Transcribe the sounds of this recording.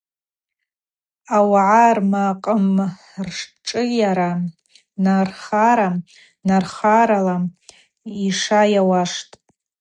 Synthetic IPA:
awaʕarmaqʼəm | rʂʈ͡ʂʼɨjaɾa | narχaɾa | narχaɾala | iʂajawaʂtʼ

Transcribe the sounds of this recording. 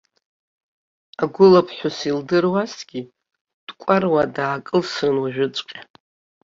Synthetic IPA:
aɡʷʊlapʰħʷᶣʊsildɨrwasɡ̥ʲi | d̥kʷʼarwadaːkʼɨlsɨnwaʒᶣʊt͡sʷʼqʲʼa

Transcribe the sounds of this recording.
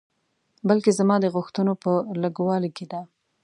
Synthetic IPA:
balkezamɑd̪əɣʊxt̪ənopələɡwɑliked̪a

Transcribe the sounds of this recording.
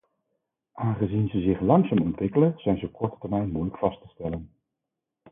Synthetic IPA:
ʔaːnχəzinzəzɪχlɑŋsaːmɔntʋɪkələnz̥ɛjnzəp̚kɔɹtə̥təɹmɛjnmujləkfɑstəstɛlən

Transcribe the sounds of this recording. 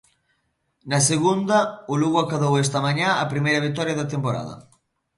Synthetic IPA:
nɐseɣund̪ɐʊluɣʊakaðowes̬t̪ɐmaɲãapɾimejɾɐβ̞ik̚t̪ɔɾjɐðɐt̪empoɾa̰ðɐ̰

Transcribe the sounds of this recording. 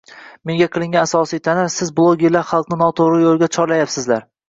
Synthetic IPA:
me̞ŋɡʲaqʰɨlˠɪŋɡʲanasɒsijt̪ʰanaɾsɪzblˠoɡʲeɾlaɾχɑlˠqnɪnɒt̪ʰoɾɪjolˠɡʲat͡ʃʰɒɾlajapsɪzlaɾ

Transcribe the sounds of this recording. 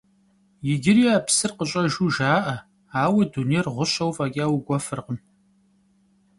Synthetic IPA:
jɪɡʲɪrjaːpsɨrqəɕʼɐʒuːʒaːʔɐ | aːwɐdunerʁʷʊɕɐwvaːkʲʼaːwɡʷɔfɨrqəm

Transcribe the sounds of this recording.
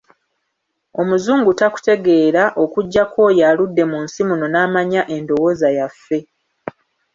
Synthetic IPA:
o̞muzuːŋɡutaku̥te̞ɡe̞ːɾaʔo̞kuɟːako̞jaludːe̞munsimuno̞naːmaɲaʔe̞ndo̞wo̞ːzajafːe̞

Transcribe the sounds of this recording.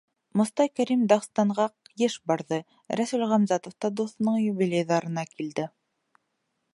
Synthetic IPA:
mŏst̪ɑjkæɾimd̪ɑʁst̪ɑɴʁɑqjɘʃbɑɾðɤ | ɾæsʉlʁæmzɑt̪ŏft̪ɑd̪uθnɤɴjɵbilʲejðɑɾɤ̆nɑkild̪ɘ

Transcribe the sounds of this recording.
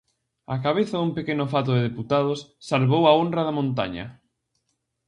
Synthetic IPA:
a̰kaβ̞eθɐðumpekenʊfat̪̬oðeðeput̪að̞ʊsːalβowaonraðamõnt̪a̰ɲɐ̰

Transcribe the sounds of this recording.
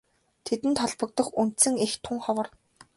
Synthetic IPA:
t̪ʰet̪ɘ̆nt̪ʰɔɮpə̆k̚t̪ə̆χun̥t̪sɘ̆ŋext̪ʰːʊŋχɔwɞ̆r

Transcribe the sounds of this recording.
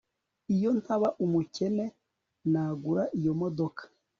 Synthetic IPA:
ijo̞ntaβaʔumuce̞ne̞ | naːɡuɾaʔijo̞mo̞do̞kʰḁ

